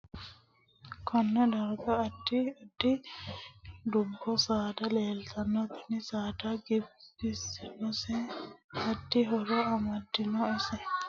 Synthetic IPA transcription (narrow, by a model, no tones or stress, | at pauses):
kʰɔnːɛd̪ɐɾɡɐːd̪ːɪd̪ːɪ | d̪ʊbːɔsaːd̪ɐleːlt̪ʰɐnːɔt̪ɐ̥nɪsaːd̪aɡɪbbɪsnɔsɛɐd̪ːɪɦɔɾɔɐmɐd̪ːɪnɔɪsɛ